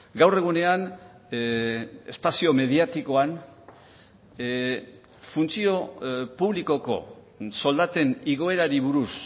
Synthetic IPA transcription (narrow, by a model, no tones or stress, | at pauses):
ɡawre̞ɣ̞une̞an | e̞spasio̞me̞ðiat̪iko̞an | funt͡sio̞puβliko̞ko̞̰ | so̞ld̪at̪e̞niɣ̞o̞e̞ɾaɾiβ̞uɾus